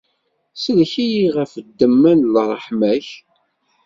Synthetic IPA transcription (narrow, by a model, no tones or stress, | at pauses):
səlçijiʁæfəd̪ːəmːænlrˤːəħmæç